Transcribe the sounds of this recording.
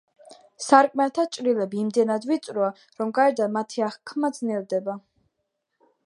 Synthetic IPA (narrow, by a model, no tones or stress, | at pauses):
saɾkʼmɛt̪ʰat͡ʃʼɾilɛbiːmd̪ɛnad̪vit̪sʼɾua | ɾɔmɡaɛɾd̪amat̪ʰiaχkʰmad̪znɛvd̪ɛba